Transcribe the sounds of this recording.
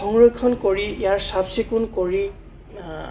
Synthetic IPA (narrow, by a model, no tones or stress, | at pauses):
ɔŋɹɔkʰɔnkoɹiijaɹsabsikʊnkoɹi